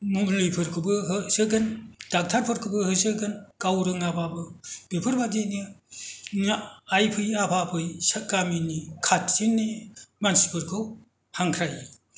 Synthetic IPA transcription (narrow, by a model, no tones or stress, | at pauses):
munlɯjpʰɯɾkʰɯbɯɦɯsɯɡɯnd̥ak̚tʰaɾpʰɯɾkʰɯbɯhɯsɯɡɯnkawɾɯŋapʰabɯb̥epʰɯɾbadini | ŋajpʰɯjapʰapʰɯjsakaminikʰat̚sinːimansi̥pʰɯɾkʰɯw | haŋkʰɾaj